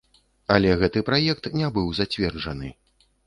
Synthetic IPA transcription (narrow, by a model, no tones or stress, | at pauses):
ɐlʲɛɣɛt̪ɨpɾajɛkt̪nʲɛbɨwzat͡sʲvʲɛrd͡ʐɐnɨ